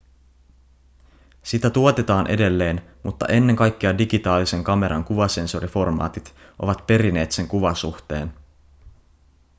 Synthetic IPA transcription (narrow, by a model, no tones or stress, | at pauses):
sit̪æt̪uo̞t̪et̪ɑːnʔe̞̰de̞lːe̞ːnmut̪ːɑ̰ʔe̞nːe̞ŋkɑjkːeɑdiɡit̪ɑːlise̞ŋkɑme̞ɾʔɑ̰ŋkuʋɑse̞nso̞ɾifo̞rmɑ̰ːt̪it̪ | ʔo̞ʋɑt̪pe̞ɾine̞ːt̪se̞ŋkuʋɑsuxt̪e̞̰ːn